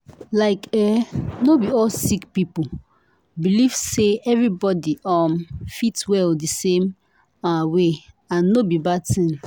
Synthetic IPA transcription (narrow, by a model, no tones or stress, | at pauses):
laɪkɛnobiɔlsikpipu | biliv̥seɛvɹibɔdiɔmfitwɛldisẽm | awe | ãnːobibad̚tĩn